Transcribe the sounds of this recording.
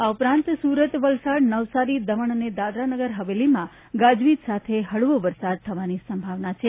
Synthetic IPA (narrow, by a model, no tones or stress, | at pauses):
aupɾãnt̪suɾət̪ʋəlsaɽnəʋsaɾid̪əməɳəned̪ad̪ɾanəɡəɾɦəʋelimã | ɡad͡ʒʋit̪sat̪ʰeɦəɭʋoʋəɾsad̪̚t̪ʰəʋanisəmbʱaʋnat͡ʃʰe